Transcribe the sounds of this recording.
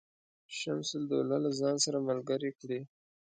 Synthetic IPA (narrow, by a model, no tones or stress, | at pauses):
ʃamsʊld̪olalazɑnsaɾamalɡaɾekɽi